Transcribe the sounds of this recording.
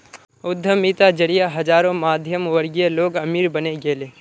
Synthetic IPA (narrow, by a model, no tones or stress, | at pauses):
ʊd̪ʱːəmit̪ad͡ʒəɽijaɦɐd͡ʒaːɾõmaːd̪ʱjəmʋəɾɡijeloːɡɐmiːɾbɐneɡeːleː